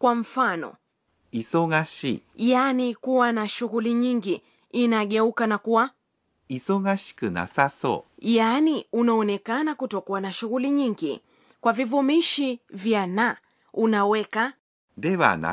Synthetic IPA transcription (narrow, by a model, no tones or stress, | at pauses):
kwam̩fanɔ̰ | isoɡaɕiːjanikuwanaʃuɣuliɲiŋɡi | inaɠɛukanakuwa | isoɡaɕi̥kɯna̰saso̰ːjaniunaɔnɛkanakutɔkuanaʃuɣuliɲiŋɡḭ | kwavivumiʃivjana | unawɛka | d̪e̞βa̰na̰